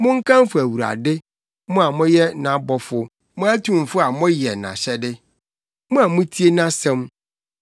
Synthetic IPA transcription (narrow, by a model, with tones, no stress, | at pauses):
mʊ̃˦ŋ̩˦kʰã˦m˦fʊ˨æ˨wu˨ɾa̰˨dɪ˦ | mʊ̃˦a˨mʊ̃˦jɛ˦nã˨˦bɔ˦fʊ˦ | mʊ̃˦æ˦tʰũ˨m˨fʊ˦a˨mʊ̃˦jɛ˨nã̰˨ɕɛ˦dɪ˦ | mʊ̃˦a˨mʊ̃˦tʰi˦e˦nã˦sɛ̃˦m